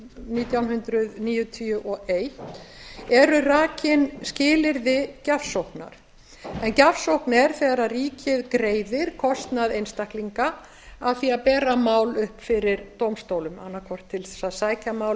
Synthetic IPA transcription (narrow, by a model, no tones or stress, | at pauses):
niːt̪jawnhʏnt̪ɾʏðniːjʏt̪ʰiʏʔɔejht̪ɛɾʏraːcɪnscɪːlɪɾðɪcafsowhkna̰ɾ̥ | ɛncafsowhknɛɾ̥θɛːɣɾariːcʰɪðkɾeːjðɪɾ̥kʰɔst̪naðejnst̪ahkliŋka | aðθiapɛːɾamaːwlʏhpfɪɾɪɾt̪oːwmst̪owlʏmanːakʰvɔr̥t̪ʰːɪlθɛ̥sːaðsaːjcamaːw